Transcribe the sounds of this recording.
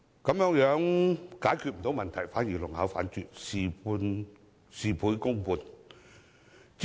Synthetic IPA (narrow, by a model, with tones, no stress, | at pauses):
kɐ˨˥mjœː˨˥ŋjœː˨˥ŋkaː˨˥jkʰy˧t̚m̩˨˩t̪o˨˥wmɐ˨nt̪ʰɐ˨˩jfaː˨˥njiː˨˩lʊ˨˩ŋha̰˨˥wfa̰ː˨˥nt͡ʃyː˨˩t̚si˨˩pu˧n | siː˨˩pʰuː˨˥jkʊ˥ŋpuː˧n | t͡s